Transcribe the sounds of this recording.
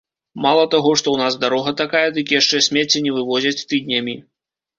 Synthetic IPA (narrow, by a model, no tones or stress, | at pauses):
malˠɐt̪aɣɔʂt̪ɔwnazd̪aɾɔɣɐt̪akajɛd̪ɨkʲijaʂt͡ʂɛsʲmʲɛt͡sʲːɛnʲɛvɨvɔzʲɐt͡sʲt̪ɨd̪̚ʲnʲɐmʲi